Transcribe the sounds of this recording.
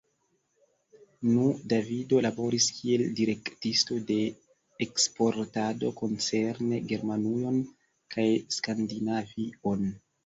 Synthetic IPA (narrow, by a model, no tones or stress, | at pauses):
nudavido̞labo̞ɾiskʰie̞ldiɾe̞ktisto̞de̞ː | kspo̞ɾtado̞ko̞nt͡se̞ɾne̞ɡe̞ɾmanujo̞n | kʰajskandinavio̞n